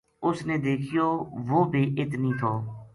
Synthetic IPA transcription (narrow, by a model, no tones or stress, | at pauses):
ʊsneːd̪eːkʰɪjoːʋoːbʱiːʔɪt̪niːt̪ʰoː